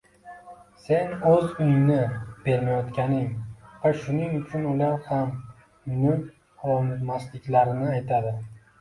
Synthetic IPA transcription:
se̞nɵzʊjnɪb̥e̞ɾmajɒt̪kʲanɪŋvaʃʊnɪŋʊt͡ʃʰʊnʊlaɾham | nʊn | ɒmɪt̪maslɪkʲlaɾɪnɪajt̪ʰad̪ɪ

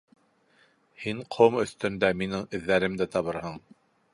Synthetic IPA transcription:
hiɴqʰomɵ̆θt̪ɵ̆nd̪æminɘŋɘ̆ðːæɾɘmd̪æt̪ɑβɤɾhɤɴ

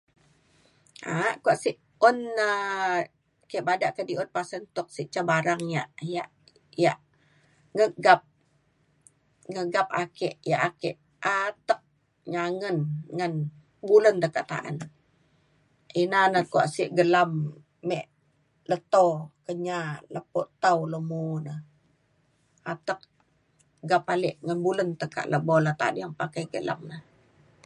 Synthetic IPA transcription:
aʔkuaʔsiʔ | ɔnə | kɛʔbadaʔkədiʊn̚pasənt̪ʊk̚siʔt͡ʃabaɾaŋjaʔjaʔ | jaʔ | ŋəɡap̚ | ŋəɡap̚akɛʔjaʔakɛʔ | at̪ək̚ | ɲaŋənŋən | bulənt̪əkaʔt̪a̰ʔa̰n | ʔinanəkua̰ʔsiʔɡəlamː | ɛʔ | lət̪okəɲaləpoʔt̪awləmunə | at̪ək̚ | ɡapalɪʔŋanbulənt̪əka̰ʔləbɔlat̪a̰njaŋpakajɡəla̰mnəh

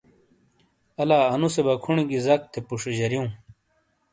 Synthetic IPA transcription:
ɐlaːɐnusebɐkʰuɳiɡizɐk̚t̪ʰepuʂod͡ʑɐɾjoũ

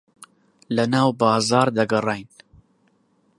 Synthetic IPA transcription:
lɐnaːwbaːzaːɾd̪ɐɡɐrˤajn

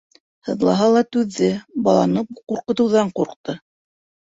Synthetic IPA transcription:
hɤ̆ðlˠɑ̰ɦɑlˠɑt̪ʉðːɘbɑlˠɑ̰nɤquɾqɤ̆t̪ɤ̆wðɑɴquɾqt̪ɤ

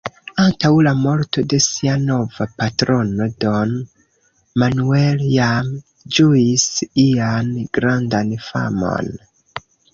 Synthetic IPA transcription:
antawlamo̞ɾto̞de̞siano̞vapatɾo̞no̞do̞n | manueljam | d͡ʒuisianɡ̥ɾandanfa̰mo̞̰n

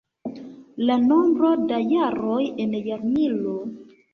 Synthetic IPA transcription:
lanombɾo̞dajaɾo̞jenjaɾnilo

